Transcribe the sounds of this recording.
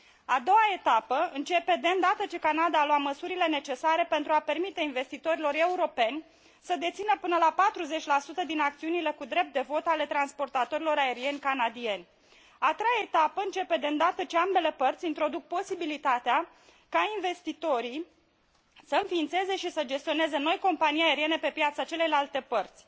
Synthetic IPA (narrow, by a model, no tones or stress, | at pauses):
ad̪o̞wae̞t̪apəɨnt͡ʃe̞pe̞d̪eɨnd̪at̪ət͡ʃe̞kanad̪aːloaməsuɾile̞ne̞t͡ʃe̞saɾe̞pe̞nt̪ɾuape̞rmit̪e̞inve̞st̪it̪o̞ɾilo̞ɾe̞uɾo̞pe̞nʲ | səd̪e̞t̪sinəpɨnəlapat̪ɾuze̞t͡ʃʲlasut̪əd̪inakt̪siunile̞kud̪ɾe̞p̚t̪̚d̪evo̞t̪ale̞t̪ɾanspo̞rt̪at̪o̞ɾilo̞ɾae̞ɾie̞nʲkanad̪ie̞nʲ | at̪ɾejaet̪apəɨnt͡ʃe̞pe̞d̪eɨnd̪at̪ət͡ʃeambe̞lepərt̪sʲint̪ɾo̞d̪uk̚po̞sibilit̪at̪ea | kainve̞st̪it̪o̞ɾi | səɨnfiːnt̪se̞ze̞ʃisəd͡ʒe̞st̪ione̞ze̞no̞jko̞mpanijae̞ɾie̞ne̞pe̞pjat̪sat͡ʃe̞le̞jlalt̪e̞pərt̪sʲ